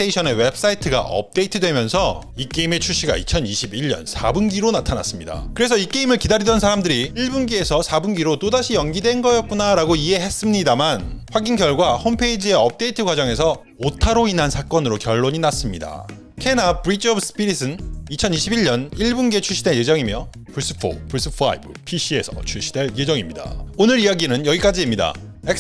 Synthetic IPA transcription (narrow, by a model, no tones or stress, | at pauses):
eiɕʰʌne̞we̞bs͈aitʰɯɡa̰ʔʌ̰p̚t͈e̞itʰɯdwe̞mjʌnsʰʌ | ik͈e̞ime̞t͡ɕʰuɕ͈ʰiɡa̰it͡ɕʰʌniɕʰibiʎɲʌ̰nsʰabunɡiɾonatʰana̰s͈ɯmɲida̰kɯɾe̞s̬ʰʌik͈e̞imɯɭkidaɾidʌnsʰaɾamdɯɾiiɭbunɡiesʰʌsʰabunɡiɾot͈odaɕʰijʌŋɡidwe̞nɡʌjʌk̚k͈unaɾaɡoiɦe̞ɦe̞s͈ɯmɲidamanɸwaɡinɡjʌɭɡwahompʰeid͡ʑie̞ʌp̚t͈e̞itʰɯkwad͡ʑʌŋe̞s̬ʰʌ | otʰaɾoinansʰak͈ʌnɯɾokjʌɭːoɲinas͈ɯmɲida̰ | kʰe̞nap̚ɾit͡ɕʰʌbsʰɯ̥pʰiɾisʰɯnit͡ɕʰʌniɕʰibiɭɲʌniɭbunɡe̞t͡ɕʰuɭɕ͈ʰide̞je̞d͡ʑʌŋimjʌ | puɭs͈ɯ̥pʰo̰puɭs͈ɯpʰa̰ḭbɯ̰pʰiɕ͈ʰie̞sʰʌ̰t͡ɕʰuɭɕ͈ʰi̥de̞ɭje̞d͡ʑʌŋimɲida̰onɯɾijaɡinɯnjʌɡik͈ad͡ʑiemɲida̰ | ek